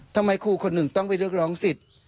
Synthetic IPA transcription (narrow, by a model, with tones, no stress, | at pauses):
t̪ʰa˧mːa˧jkʰuː˧˩kʰo˧nːɯ˨˩ŋt̪ɔ˥˩ŋpa˧jɾɯ˥˩ək̚ɾɔː˦˥ŋsi˨˩t̪̚